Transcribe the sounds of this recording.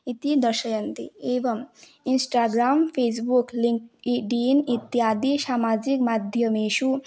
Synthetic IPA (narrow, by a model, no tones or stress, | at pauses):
it̪id̪ɐɾʃɐjɐnt̪ḭeːʋɐm | insʈaːɡɾaːmpʰeːs̬bukliŋkiɖinit̪ːjaːd̪iʃaːmaːd͡ʒikmad̪ʱjɐmeːʃu